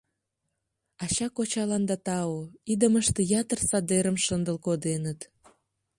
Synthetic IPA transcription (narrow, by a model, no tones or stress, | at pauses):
ɑt͡ɕɑkot͡ɕɑlɑnd̪ɑt̪ɑoid̪əməʃt̪ejɑt̪ərsɑd̪eɾəmʃənd̪əlkod̪enət̪